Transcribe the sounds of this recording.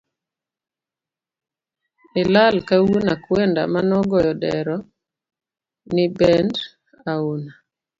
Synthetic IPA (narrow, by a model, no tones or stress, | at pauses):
ɪlalkawunakwɛnda̰manɔɡɔjɔdɛɾɔ | nɪbɛnd | auna